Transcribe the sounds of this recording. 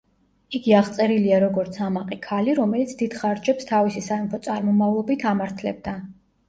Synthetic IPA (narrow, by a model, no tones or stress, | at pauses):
iɡiaʁt̪sʼɛɾiliaɾɔɡɔɾt̪sʰamaqʼikʰaliɾɔmɛlit̪sʰd̪id̪̥χaɾd͡ʒɛpst̪ʰavisisaimpʰɔt̪sʼaɾmɔmavlˠɔbit̪ʰamaɾt̪ʰlɛ̰b̚d̪a